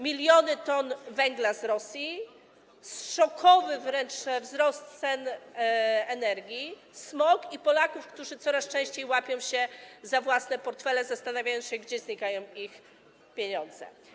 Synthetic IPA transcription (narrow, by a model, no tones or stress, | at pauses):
mʲilʲjɔnɘt̪ɔnvɛŋɡlazɾɔsʲji | sʂɔkʰɔvɘvɾɛnt͡ʂvzɾɔst̪sɛn | ɛnɛɾɡʲi | smɔkipɔlakufkt̪uʐɘt̪sɔɾast͡ʂɛ̃ɕt͡ɕejwapʲjɔ̃w̃ɕɛzavwasnɛpɔɾt̪fɛlɛzast̪anavʲajɔ̃w̃ɕɛɡd͡ʑɛzɲikajɔ̃w̃ix | pʲjeɲɔ̃nd̪zɛ̰